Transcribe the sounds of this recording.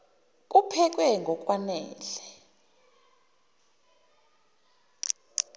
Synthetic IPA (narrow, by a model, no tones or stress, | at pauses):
k̬ʼupʰɛk̬ʼwɛŋɡʱɔk̬ʼwanɛːlɛ